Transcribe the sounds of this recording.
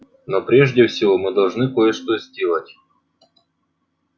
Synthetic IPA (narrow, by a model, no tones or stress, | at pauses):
nopɾʲeʐdʲɪfsʲɪvomɨd̪ɐlˠʐnɨkojɛʂt̪ozʲdʲelˠɐtʲ